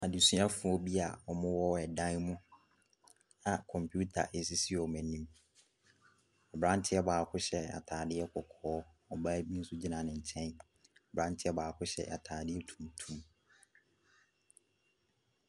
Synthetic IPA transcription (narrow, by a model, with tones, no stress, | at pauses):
a˨di˨sɥã˦fʊ˨ɔ˦bi˦a˨ɔ˨mʊ̃˦wɔ˦ɛ˨dã˦nmʊ̃˦ | a˨kʰɔ̃˨mpʰju˦tʰa̰˨ʔe˨s̬i˦si˦ɔ˨mɛ̃˨nĩ˦m | ɔ˨bɾã˦n˦tʰɪ˦ɛ˦baː˨kʰʊ˦ɕɛ˦a̰˨tʰaː˨dɪ˦ɛ˦kʰɔ˨kʰɔː˦ | ɔ˨baː˦bi˦n̩˦sʊ˦d͡ʑi˦nã˨nɪ̃˨ɲ̩˨t͡ɕʰɛ̃˦n | ɔ˨bɾã˦n˦tʰɪ˦ɛ˦baː˨kʰʊ˦ɕɛ̰˦ʔa˨tʰaː˨dɪ˦ɛ˦tʰũ̥˨mtʰũ˦m